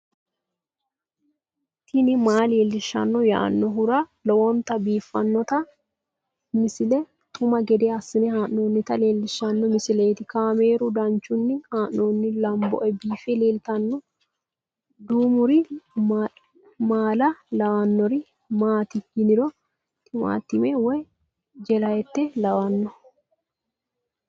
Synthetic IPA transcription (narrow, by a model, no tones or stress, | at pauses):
t̪ʰɪnɪmaːleːlːɪʃːɐ̰nːɔja̰ːnːɔɦʊɾɐlɔwɔnt̪ɐbiːfːɐnːɔt̪ɐ | mɪsɪlɛ | t̪ʰʊmɐɡɛd̪eɐsːɪnɛhaːnno̞ːnːɪt̪ɐleːlːɪʃɐnːɔmɪsɪleːt̪ɪkaːme̞ːɾʊd̪ɐnt͡ʃːʊnːɪhaːnːoːnːɪlɐmbɔ̰ʔɛbiːfɛleːlt̪ɐnːɔ | d̪uːmʊɾɪ | maːlɐlɐwanːɔɾɪ | maːt̪ɪhɪnɪɾɔ | t̪ɪma̰ːt̪ːɪmɛwɔj | d͡ʒɛlɐjɛt̪ːɛlɐwɐnːɔ